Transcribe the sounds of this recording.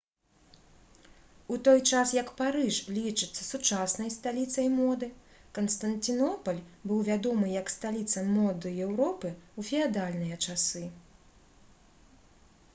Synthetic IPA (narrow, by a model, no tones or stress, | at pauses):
ut̪ɔjt͡ʂasjɐkpaɾɨʂlʲit͡ʂɨt̪sːɐ̥sut͡ʂasnɐjst̪alʲit̪sɐjmɔd̪ɨ | kɐnst̪ɐnt̪ʲɨnɔpɐlʲbɨwvʲad̪ɔmɨjɐkst̪alʲit̪sɐmɔd̪ɨjɛwɾɔpɨufʲiad̪alʲnɨjɐt͡ʂasɨ